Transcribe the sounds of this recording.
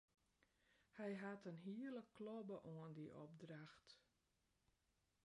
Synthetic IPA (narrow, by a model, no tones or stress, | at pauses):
hɛjɦatənɦiələklɔbəʔoəndiʔɔ̰b̚draxt